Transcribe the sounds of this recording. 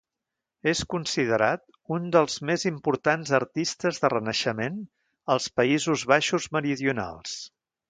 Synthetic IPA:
eskunsið̞əɾat̪ | und̪əlˠzmezimpuɾt̪anzəɾt̪ist̪əzðərənəʃəmen | əlˠspəizuzβaʃuzməɾiðiuna̰lˠs

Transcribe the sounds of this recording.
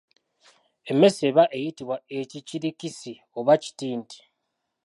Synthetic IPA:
e̞mːe̞sieβaʔe̞jitiβwaeciciɾikisi | oβaci̥tiːnti̥

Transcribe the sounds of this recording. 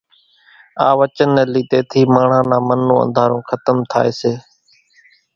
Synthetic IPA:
aːʋət͡ʃənːeːliːt̪eːt̪ʰiːmaːɳ̤ãːnãːmənːõːə̰̃nd̪ʱaːɾõːkʰət̪əmt̪ʰa̰ːeːseː

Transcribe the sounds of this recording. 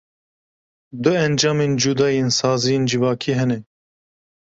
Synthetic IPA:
d̪ʊɛnd͡ʒɑːmeːnd͡ʒud̪ɑːjeːnsɑːzijeːnd͡ʒɪvɑːkʰiːɦɛnɛ

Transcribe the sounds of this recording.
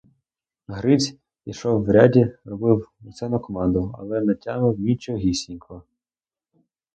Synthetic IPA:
ɦɾɪt͡sʲ | iʃɔwːɾʲadʲirɔbɪwʊsɛnɔkɔmɑnd̪ʊɐ̰lˠɛnɐtʲːɑmɪwmʲit͡ʃɔɦʲisʲinʲkɔɔ

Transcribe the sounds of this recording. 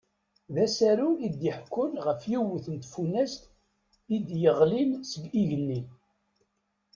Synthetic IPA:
ðæsæɾuid̪jəħkːʊnʁəfjiwəθənt̪funːæst̪ | id̪jəʁlinsəɡiʝənːin

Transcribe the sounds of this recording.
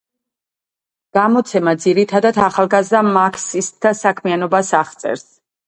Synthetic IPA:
ɡ̥amɔt̪sʰɛmad̪ziɾit̪ʰad̪at̪ʰaχalˠɡazd̪amakʰsist̪̚d̪asakʰmianɔbasaʁt̪sʼɛ̰ɾs

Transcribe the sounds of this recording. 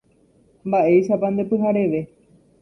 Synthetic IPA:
mbaʔe̞jʃapand̪e̞pɨɦaɾe̞ʋe̞

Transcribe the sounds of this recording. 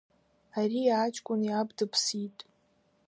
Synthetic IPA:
arijaːt͡ʃʼkʷʼʊniabdɨpʰsitʼ

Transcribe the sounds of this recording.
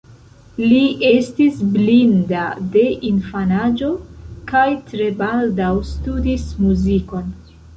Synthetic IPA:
lie̞stisblindade̞ʔinfanad͡ʒo̞kajtɾe̞baldawstudismuziko̞n

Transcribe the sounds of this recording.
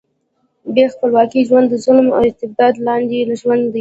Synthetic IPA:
bjexpəlwɑkiʒwand̪ːəzʊlma̰ɪst̪ɪb̚d̪ɑd̪lɑnd̪elaʒwand̪ə

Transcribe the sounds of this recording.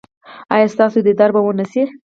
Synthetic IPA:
ɑjɑst̪ɑsod̪əd̪aɾbawənisi

